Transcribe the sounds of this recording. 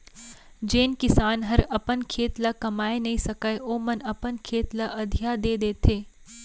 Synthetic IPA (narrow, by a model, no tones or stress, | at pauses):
d͡ʒeːnkɪsaːnɦɐɾɐpənkʰeːt̪lakɐmaːenɐɦĩsɐkaeʔoːmɐnɐpənkʰeːt̪laʔɐd̪ʱijaːd̪eːd̪eːt̪ʰeː